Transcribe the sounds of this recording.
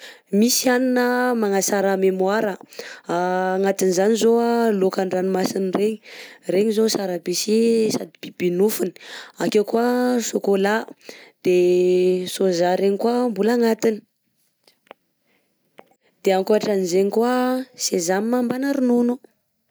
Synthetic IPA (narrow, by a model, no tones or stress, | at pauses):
misianinəmaŋasaɾamemuaɾəaːŋat̪inizanizoalokaɳɖ͡ʐanimasinireɲi̥reɲizosaɾabisisad̪ib̥ibinufuni̥akewkuasokolad̪̥e | sozaɾeɲikwambulaŋat̪ini̥ | d̪̥eaŋkoaʈ͡ʂanizeɲikwasezamimambanaɾununu